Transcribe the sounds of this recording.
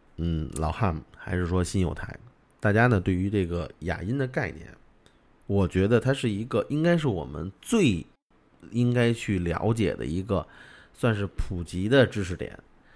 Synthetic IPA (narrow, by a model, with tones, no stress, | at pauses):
n̩˥˩lɑ˨˩ʊxa˥˩nxa˧˥ɪʂɻ̩˥˩ʂwɔ˥ɕi˥njo˧˩ʊt̪ʰa˧˥ɪ | t̪a˥˩t͡ɕja˥nə˨t̪we˥˩ɪy˧˥ʈ͡ʂɤ˥˩ɡə˩ja̰˨˩i˥nd̪ə˨ka˥˩ɪnjɛ̰˥˩n | wɔ˨˩t͡ɕɥɛ˧˥d̪ə˧t̪ʰa˥ʂɻ̩˥˩i˧˥ɡə˧ʔi˥ŋka˥ɪʂ̬ɻ̩˥˩wɔ̰˨˩mə̰˧˦nt͡swe˥˩ɪ | i˥ŋka˥ɪt͡ɕʰy˥˩ljɑ̰˧˥ʊt͡ɕjɛ̰˨˩d̪ə̰˦i˧˥ɡə˧ | swa˥˧nʂ̬ɻ̩˥˩pʰu˨˩t͡ɕi˧˥d̪ə˧ʈ͡ʂɻ̩˥ʈ͡ʂʰɻ̩˧˥t̪jɛ̰˨˩˦n